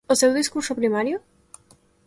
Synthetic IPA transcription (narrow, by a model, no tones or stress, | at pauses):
osewðiskuɾsopɾimaɾjʊ